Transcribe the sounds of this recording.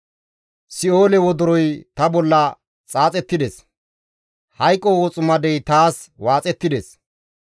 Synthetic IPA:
sɪo̞ːlɛwɔd̪ʊɾɔjt̪ɐbɔlːɐ | t͡sʼaːt͡sʼɛt̪ːɪd̪ɛs | hɐjkʼːɔwɔt͡sʼʊmɐd̪ɛjt̪aːswaːt͡sʼɛt̪ːɪd̪es

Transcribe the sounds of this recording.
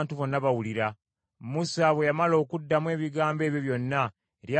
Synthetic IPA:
ntuβo̞nːaβawuliɾa | musaβwe̞jamalo̞ːkudːamwe̞ːβiɡaːmbe̞ːβjoβjo̞nːa | eɾja

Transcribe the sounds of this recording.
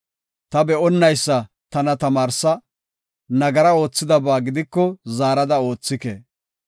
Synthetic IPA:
t̪ɐbɛɔnːɐjsːɐ | t̪ɐnɐt̪ɐmaːɾsɐ | nɐɡɐɾɐo̞ːt͡sːɪd̪ɐbaːɡɪd̪ɪkːɔzaːɾɐd̪ɐo̞ːt͡sːɪkḛ

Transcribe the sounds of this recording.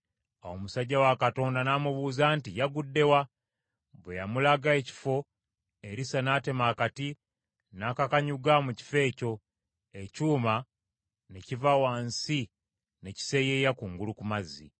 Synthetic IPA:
a̰wo̞musaɟːawakato̞ːndanamuβuːzaːntijaɡudːe̞wa | βwe̞jamulaɡae̞ci̥fo̞ | eɾisanate̞maːkati | naːkakaɲuɡamuci̥fe̞ːco̞ | ecuːma | necivawaːnsi | ne̞ci̥se̞je̞jakuŋɡulukumazːḭ

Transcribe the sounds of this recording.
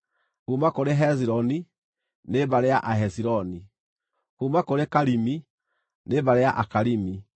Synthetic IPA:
kumakoɾeɦɛz̬iɾɔni | nebaɾejaʔaɦɛsiɾɔni | kumakoɾekaɾimi | nebaɾejaʔakaɾimi

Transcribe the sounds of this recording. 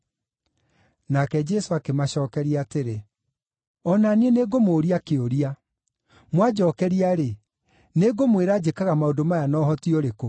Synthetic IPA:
nakɛd͡ʒɛsoakemaɕɔːkɛɾiaateɾe | ɔnanieneɡomoːɾiakeoɾia | mwad͡ʒɔːkɛɾiaɾe | neɡomweɾaːd͡ʒekaɣamaodomajanɔːɦɔtioɾeko

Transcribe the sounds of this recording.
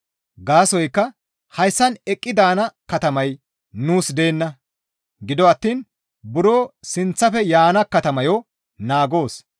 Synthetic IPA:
ɡaːsɔjkːɐ | hɐjsːɐnɛkʼːɪd̪aːnɐkɐt̪ɐmɐj | nuːsd̪e̞ːnːɐ | ɡɪd̪ɔɐt̪ːiːn | bʊɾoːsɪnt͡sːɐfɛjaːnɐkɐt̪ɐmɐjɔ | naːɡo̞ːs

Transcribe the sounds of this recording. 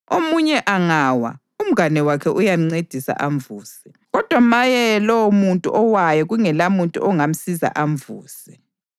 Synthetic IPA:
omuɲɛʔaŋaːwa̰ | um̩ɡanɛwakʰɛʔujam̩ŋ͡ǀed̥ʱisa̰ʔaɱvuːsɛ̥ | ɣɔd̥ʱwamajɛlɔwmuntʼṵʔɔwajɔɣuŋɛlamuntʼṵʔɔŋam̩siza̰ʔaɱvuːsɛ

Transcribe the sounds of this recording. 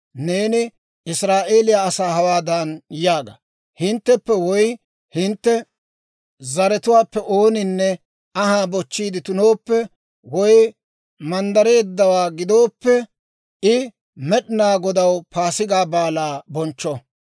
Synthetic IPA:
neːnɪ | ɪsɾaːʔe̞ːlɪjaːsaːɦɐwaːd̪ɐnjaːɡɐ̰ | hɪnt̪ːɛpːɛwɔj | hɪnt̪ːɛ | zɐɾɛt̪ʊwaːpːɛʔo̞ːnɪnːɛ | ɐɦaːbɔt͡ʃːiːd̪ɪt̪ʊnoːpːɛ | wɔj | mɐnd̪ɐɾe̞ːd̪ːɐwaːɡɪd̪o̞ːpːɛ | ɪ | mɛɗɪnaːɡɔd̪ɐwpaːsɪɡaːbaːlaːbɔnt͡ʃːɔ

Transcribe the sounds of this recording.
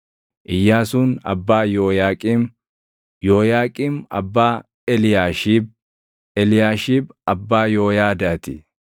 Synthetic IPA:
ʔɪjːaːsuːnɐ̰bːaːjoːjaːkʼim | joːjaːkʼimɐ̰bːaː | laʃb | ɛlɪjaːʃiːbɐbːaːjoːjaːd̪aːt̪ɪ̰

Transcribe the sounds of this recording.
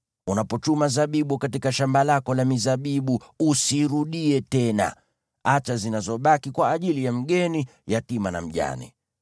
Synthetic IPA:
unapɔt͡ʃumazaɓiɓukatikaʃambalakɔlamizaɓiɓuusiɾuɗiɛtɛna̰ | at͡ʃazinazɔɓakikwaːʄilijam̩ɠɛnijatimana̰m̩ʄa̰nḭ

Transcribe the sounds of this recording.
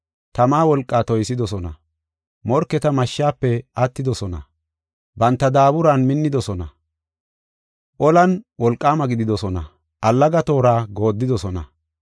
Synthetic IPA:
t̪ɐmaːwɔlkʼːaːt̪ɔjsɪd̪ɔsɔnɐ̰ | mɔɾkːɛt̪ɐmɐʃːaːpːɛʔɐt̪ːɪd̪ɔsɔnɐ̰ | bɐnt̪ːɐd̪aːbʊɾanmɪnːɪd̪ɔsɔnɐ | ʔɔlɐnwɔlkʼːaːmɐɡɪd̪ɪd̪ɔsɔnɐ̰ | ʔɐlːɐɡɐt̪o̞ːɾaːɡo̞ːd̪ːɪd̪ɔsɔnɐ̰

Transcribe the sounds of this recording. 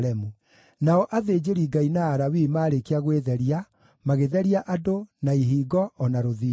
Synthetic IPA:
ɛmu | naɔʔaðeːd͡ʑeɾiɡainaːɾawimaːɾekeaɣweðɛɾia | maɣeðɛɾiaʔadonaiɦiːɡɔɔnaɾoði

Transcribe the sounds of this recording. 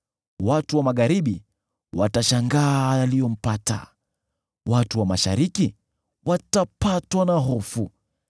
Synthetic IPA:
watuwamaɠaɾiɓi | wataʃaŋɡaːjalijɔm̩pata̰ | watuwamaʃa̰ɾiki | watapatwanaɦɔfu

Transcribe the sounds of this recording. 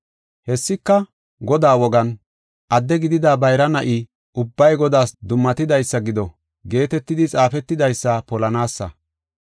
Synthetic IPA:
hɛsːɪkːɐ | ɡɔd̪aːwɔɡɐn | ʔɐd̪ːɛɡɪd̪ɪd̪aːbɐjɾɐnɐʔɪ | ʔʊbːɐjɡɔd̪aːsd̪ʊmːɐt̪ɪd̪ɐjsːɐɡɪd̪ɔ | ɡe̞ːt̪ɛt̪ːɪd̪ɪt͡sʼaːfɛt̪ːɪd̪ɐjsːɐpɔlɐnaːsːɐ̰

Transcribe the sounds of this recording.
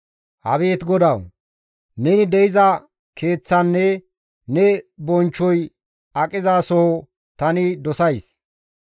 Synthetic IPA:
hɐ̰βe̞ːt̪ɡɔd̪ɐw | nɛnɪd̪ɛɪzɐ | kʰe̞ːt͡sːɐnːɛ | nɛbɔnt͡ʃːɔj | ɐkʼɪzaːsɔ | t̪ɐnɪd̪ɔsɐjs

